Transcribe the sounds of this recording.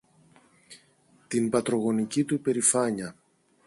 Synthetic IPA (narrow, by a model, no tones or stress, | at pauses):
t̪inpɐt̪ɾo̞ɣo̞nicit̪upe̞ɾifɐɲɐ